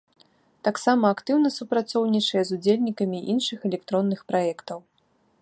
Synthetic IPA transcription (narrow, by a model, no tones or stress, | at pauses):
t̪aksamɐːkt̪ɨwnɐsupɾat̪sɔwnʲit͡ʂɐjɛzud͡zʲelʲnʲikɐmʲiʔinʂɨxɛlʲɛkt̪ɾɔnːɨxpɾajɛkt̪ɐw